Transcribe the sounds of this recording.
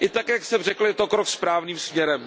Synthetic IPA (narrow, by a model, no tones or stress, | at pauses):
ʔɪt̪akjaksɛmrɛkl̩jɛt̪okɾokspɾaːvniːmsmɲɛɾɛm